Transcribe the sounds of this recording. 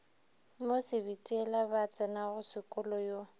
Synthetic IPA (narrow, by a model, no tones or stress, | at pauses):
mosɪbitʼiɛlabat͡sʼɛnaɣʊsɪkʼʊlɔjo